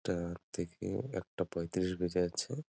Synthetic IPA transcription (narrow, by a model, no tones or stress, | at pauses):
ʈat̪ʰekḛɛ̰k̚ʈapɔet̪iɾiʃbed͡ʑaat͡ɕʰe